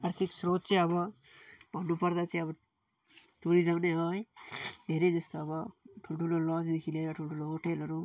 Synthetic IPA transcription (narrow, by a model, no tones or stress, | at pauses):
aɾt̪ʰiksɾot̪̚t͡sʌj̃ʌbʌbʱʌnːupʌɾd̪at͡sʌĩʌbʌ | ʈuɾid͡zʌɡneɦʌjd̪ʱeɾed͡zʌst̪obʌʈʰuloʈʰulolɔt͡sd̪ekʰileɾʌʈʰuloʈʰuloɦoʈelɦʌɾu